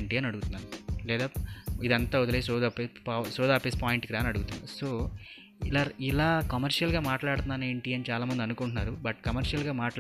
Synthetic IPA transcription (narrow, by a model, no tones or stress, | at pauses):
ɳʈiːaːnɐɽuɡut̪unːaːnulɛːd̪aːid̪ɐnt̪aːɔd̪ɐleisɔːd̪apesɔːd̪aːpeːspaːjiɳʈkiɾaːnɐɽuɡut̪unːa̰usoː | laːilaːkɐmɐɾʂijɐlɡaːmaːʈlaːɽut̪unːaːneːɳʈiːɐnit͡ʃaːlaːmɐnd̪iɐnukuɳʈunːaːɾubɐʈkɐmɐɾʃjɐlɡaːmaːʈ